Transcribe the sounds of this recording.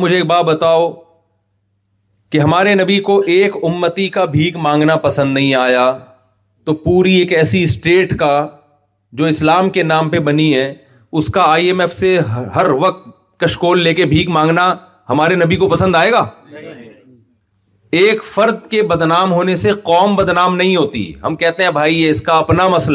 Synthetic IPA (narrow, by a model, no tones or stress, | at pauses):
mʊd͡ʒʱeeːk̚baːt̪̚bɐt̪aːo | keɦɐmaːɾenɐbikoʔeːkʊmːət̪ikabʱiːɡmãːŋɡnapɐsə̃nd̪nɐɦĩaːjaː | t̪opuːɾieːkɛːsisʈeːʈka | d͡ʒoːɪslaːmkenaːmpebɐniɦɛ | ʊskaaːiemɛːfseɦɦɐɾʋɐq̚t̪̚ | kɐʃkoːlːeːkebʱiːkmãːŋɡna | hɐmaːɾenɐbʱikopɐsə̃nd̪aːeːɡaː | eːkfɐɾd̪kebɐd̪naːmɦoːneseqɔːmbɐd̪naːmnɐɦĩɦoːt̪ḭɦɐ̰mkɛɦt̪eɦɛ̃bʱaːieɪskaɐpnamɐsl